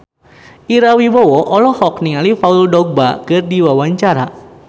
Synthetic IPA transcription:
iɾawibɔwɔʔɔlɔhɔk̚niŋalifauldɔɡ̚ba̰kɨrdiwawaɲt͡ʃaɾa

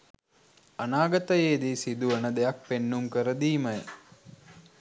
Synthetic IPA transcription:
ɐnaːɡət̪əjeːd̪isid̪uʋənəd̪ejak̚penːumkəɾəd̪iːmɐjə

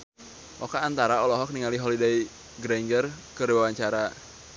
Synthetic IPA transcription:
ʔɔkaːnt̪aɾaɔlɔɦɔk̚niŋaliɦɔlidai | ɡɾɛŋɡərkərwawaɲt͡ʃaɾa

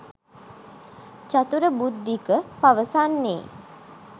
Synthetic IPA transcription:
t͡ʃat̪uɾəbud̪ːikəpaʋəsanːḛː

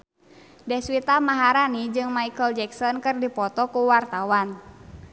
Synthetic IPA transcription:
dɛhswit̪amaɦaɾanid͡ʒɨŋmaikəld͡ʒɛksɔnkɨrdipɔt̪ɔkuwart̪awan

